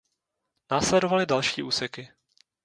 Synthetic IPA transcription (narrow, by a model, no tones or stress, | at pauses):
naːslɛdo̞valɪdalʃiːʔuːsɛkɪ